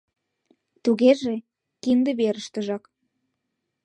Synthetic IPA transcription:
t̪uɣeʒe | kind̪ĕβeɾəʃt̪ə̆ʒɑk

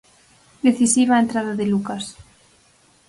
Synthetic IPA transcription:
d̪eθisiβaent̪ɾaðaðelukas

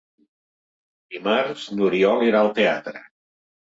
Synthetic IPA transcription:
d̪imaɾznuɾiɔliɾaəlˠt̪eat̪ɾə

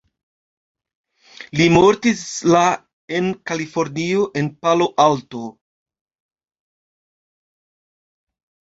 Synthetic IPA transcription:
limoɾtisla | e̞nkalifo̞ɾnioʔe̞npalo̞ʔalto̞

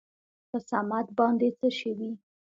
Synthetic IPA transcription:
pəsamat̪̚bɑnd̪et͡səʃəwi

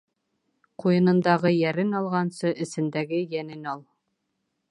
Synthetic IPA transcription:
qujɤ̆nɤ̆nd̪ɑʁɤjæɾɘnɑlˠʁɑnsɤʔɘ̆sɘ̆nd̪æɡɘjænɘnɑlˠ

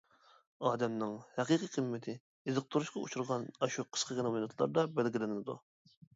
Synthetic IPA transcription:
ɑːd̪ɛmnɪŋhɛqiqiqʰəmːɪt̪ʰɪː | zɨq̚t̪ʰuɾuʃqɑṵt͡ʃʰuɾʁɑnɑʃuqʰə̥ʃqəkʲɪnɨminɨt̪ʰlˠɑ̰ɾd̪ɑbælɡʲilɪnɪnɪd̪ṵ

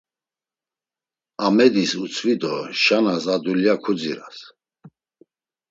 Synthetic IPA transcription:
amɛd̪isut͡sʰvid̪ɔʃanasad̪uljakʰud͡ziɾas

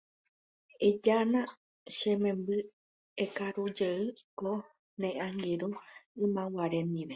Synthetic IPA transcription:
ed͡ʒanã | ʃẽmẽmbɨ | ekaɾud͡ʒeɨko | nẽʔãŋɡiɾuɨ̃mãwaɾenĩʋe

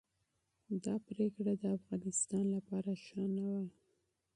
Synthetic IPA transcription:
d̪ɑpɾekɽad̪əafɣɑnɪst̪ɑnlapɑɾaʃɑnawa

